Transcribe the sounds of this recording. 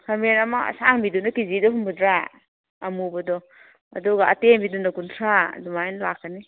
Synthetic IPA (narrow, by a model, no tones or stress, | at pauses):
hʰamenɐmaɐ̰saŋbidunakizidɔɦumbudɾa | ɐmubɐdɔ | ɐ̰duɡaɐtenbidunakuntʰɾadumajnlakʰːani